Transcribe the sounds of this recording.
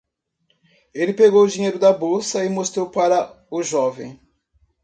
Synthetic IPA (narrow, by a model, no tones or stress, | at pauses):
elɪpeɡowʊd͡ʒĩɲejɾʊd̪ɐbowsɐɪmost̪ɾowpaɾɐ | ʊʒɔvḛ̃j̃